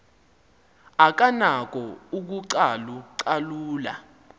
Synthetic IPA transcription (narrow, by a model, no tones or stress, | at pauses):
ak̬anak̬ɔuk̬uǀaluǀaluːla̰